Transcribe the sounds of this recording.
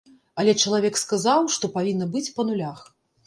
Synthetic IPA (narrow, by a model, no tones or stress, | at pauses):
ɐlʲɛt͡ʂɐlˠavʲɛkskazawʂt̪ɔpavʲinːɐbɨt͡sʲpɐnulʲax